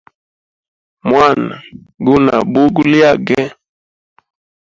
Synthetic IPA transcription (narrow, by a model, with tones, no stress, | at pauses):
mwa˦˨na˨ | ɡu˦na̰˨bu˦ɡu˦li˦a˦ɡɛ˦